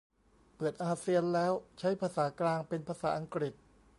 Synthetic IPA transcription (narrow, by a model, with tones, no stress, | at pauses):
pɯ˨˩ət̪̚ʔaː˧si˧ənlɛː˦˥wt͡ɕʰa˦˥jpʰaː˧saː˩˦klaː˧ŋpe˧npʰaː˧saː˩˦ʔa˧ŋkɾi˨˩t̪̚